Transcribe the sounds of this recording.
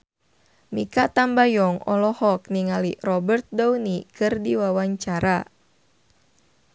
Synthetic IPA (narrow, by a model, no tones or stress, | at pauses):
mikat̪ambajɔŋɔ̰lɔhɔk̚niŋalirɔbərt̪̚dɔwnikɨrdiwawaɲt͡ʃaɾa